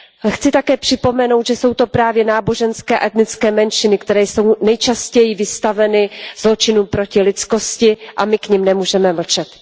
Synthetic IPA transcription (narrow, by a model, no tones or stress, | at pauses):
xt͡sɪt̪akɛːpr̥ɪpo̞mɛno̞wt̪ʒɛso̞wt̪o̞pɾaːvjɛnaːbo̞ʒɛnskɛːʔɛt̪nɪt͡skɛːmɛnʃɪnɪkt̪ɛɾɛːjso̞wnɛjt͡ʃascɛjɪvɪst̪avɛnɪz̥lo̞t͡ʃɪnuːmpɾo̞cɪlɪt͡sko̞scɪʔamɪkɲimnɛmuːʒɛmɛml̩t͡ʃɛt̪